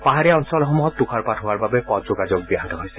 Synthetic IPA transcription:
paɦaɾɛɔnsɔlɔxɔmuɦɔt̪ːukʰaɹpatʰɦoaɹbabepɔt̪̚d͡ʒoɡad͡ʒok̚biɦant̪ɔɦojsɛ̥

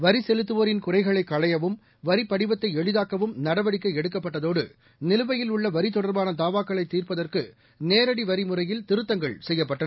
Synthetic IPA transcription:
ʋɐɾisɛlɯt̪ːɯʋoːɾɪnkʊrɐɪɣɐɭɐɪkːɐɭɐjɐʋɯm | ʋɐɾipːɐɽɪbɐt̪ːɐɪɛɻɯðaːkɐʋɯmnɐɽɐʋɐɽɪkːɐɛɽɯk̬ːɐpːɐʈːɐðoːɽɯ̰ | nɪlɯʋɐjɪlʊɭːɐʋɐɾɪt̪ɔɽɐɾbaːnɐd̪aːʋaːkːɐɭɐɪt̪ːiːrpɐðɐrkɯ | neːɾɐɽiʋɐɾimɯrɐjɪlt̪ɪɾɯt̪ːɐŋɡɐɭsɛjːɐpːɐʈːɐ

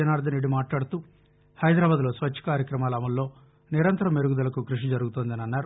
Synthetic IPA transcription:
ɐnaːɾd̪ɐneɖːimaːʈlaːɽut̪uː | hɐjd̪ɾaːbaːd̪ulo̞ːsʋɐt͡ʃːɐ̥kaːɾjɐkɾɐmaːlɐɐmɐlːo̞ː | niɾɐnt̪ɐɾɐmeɾuɡud̪ɐlɐkukɾuʂid͡ʒɐɾuɡut̪oːnd̪ɐniɐnːaːɾu

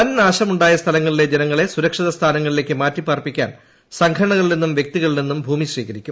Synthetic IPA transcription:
pɐnnaːɕɐmuɳɖaːjɐst̪ʰɐlɐŋːɐɭile̞d͡ʑenɐŋːɐɭe̞suɾɐkʂiðɐst̪ʰaːnɐŋːɐɭile̞ːkːɨmaːtːipaːrpikʲːa̰ːn | sɐŋɡʰʱɐɾɐɳɐɣɐɭilnenːumʋjek̚t̪iɣɐɭinenːumbʱuːmiɕriːɣɐɾikʲːum

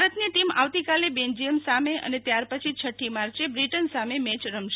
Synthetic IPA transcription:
ɾət̪niʈima̰ʋt̪ikalebẽnd͡ʒijəmsameʔə̰net̪jaɾpət͡ʃʰit͡ʃʰəʈʰːimaɾt͡ʃebɾiʈənsamemɛt͡ʃɾəmʃ

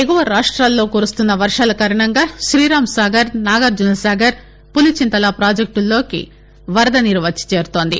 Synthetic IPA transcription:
eɡuʋɐɾaːʂʈɾaːlːo̞ːkuːɾust̪unːɐʋɐɾʂaːlɐkaːɾɐɳɐŋɡaːʃɾiːɾaːmsaːɡɐɾnaːɡɐɾd͡ʒunɐsaːɡɐɾ | pulit͡ʃint̪ɐlapɾaːd͡ʒɐk̚ʈulːo̞ːkḭ | ʋɐɾɐd̪ɐniɾʋɐt͡ʃi̥t͡ʃe̞ːɾut̪o̞ːnd̪i

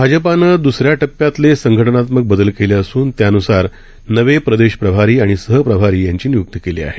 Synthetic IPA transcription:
bʱad͡ʑəpanəːd̪usɾjaʈəpːjat̪lesəŋɡʱəʈənat̪mək̚bəd̪əlkeleəsuːnt̪janusaɾ | nəʋepɾəd̪eɕpɾəbʱaɾiːaɽ̃isəɦəpɾəbʱaɾiːjaɲt͡ɕiːnijuk̚t̪əkelḭːa̰ɦe

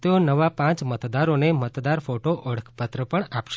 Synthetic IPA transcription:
t̪eonəʋapãt͡ʃmət̪d̪aɾonemət̪d̪aɾfoʈoʔəɽəkʰpət̪ɾəpəɳapʃ

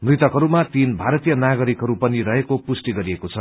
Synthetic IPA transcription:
mrit̪ʌkɦʌɾumat̪inbʱaɾʌt̪ijʌnaɡʌɾikɦʌɾupʌnirʌɦekopusʈiɡʌɾiekot͡sʰʌ

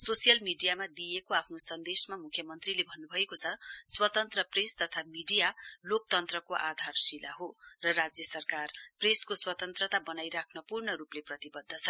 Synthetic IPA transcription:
sosijʌlmiɖijamad̪ijekoapʰnosʌnd̪esmamukʰjʌmʌnt̪rilebʱʌnːubʱʌekot͡sʰʌswʌt̪ʌnt̪rʌprest̪ʌt̪ʰamiɖijalok̚t̪ʌnt̪rʌkoʔad̪ʱarsila̰ɦorʌrad͡zjʌsʌrkarpreskoswʌt̪ʌnt̪rʌt̪abʌnajɾakʰnʌpurɳʌɾupleprʌt̪ibʌd̪ʱːʌt͡sʰʌ

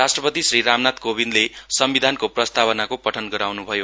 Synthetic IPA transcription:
asʈrʌpʌt̪isriɾamnat̪kobinlesʌmbid̪ʱankoprʌst̪aβʌnakopʌʈʰʌnɡʌɾawnubʱʌjo

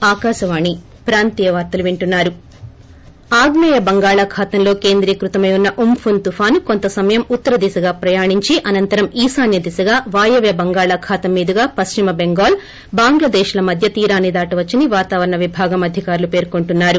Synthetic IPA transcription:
aːkaːʃɐʋaːɳi | pɾaːnt̪iːjɐʋaːɾt̪ɐluʋeɳʈunːaːɾu | aːɡnɐːjɐbɐŋɡaːɭaːkʰaːt̪ɐmlo̞ːke̞ːnd̪ɾiːkɾut̪ɐmɐjunːɐʔumpʰunt̪upʰaːnukont̪ɐsɐmɐjɐmut̪ːɐɾɐd̪isɐɡaːpɾɐjaːɳiɲt͡ʃiʔɐnɐnt̪ɐɾɐmiːsaːnjɐd̪isɐɡaːʋaːjɐʋjɐbɐŋɡaːɭakʰaːt̪ɐmːiːd̪ɐɡaːpɐst͡ʃimɐbeŋɡaːl | baːŋɡlɐd̪ɛːʃlɐmɐd̪ʱjɐt̪iːɾaːnːid̪aːʈɐʋɐt͡ʃːiniʋaːt̪aːʋɐɾɐɳɐʋibʱaːɡɐmɐd̪ʱikaːɾulupe̞ːɾkoɳʈunːaːɾu

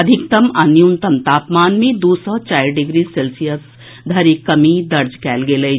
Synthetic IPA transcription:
ɐd̪ʱɪkt̪ɐmɐnjunt̪ɐmt̪aːpmaːnmẽd̪oːsɔt͡ʃaːjɖɪɡɾiselsijəs | d̪ʱɐɾikɐmid̪ɐɾd͡ʒkɛːlɡelɐi

